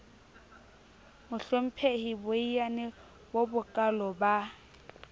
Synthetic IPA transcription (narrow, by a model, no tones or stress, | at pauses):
mʊɬom̩pʰehibʊijanɪ | bobʊkʼalɔba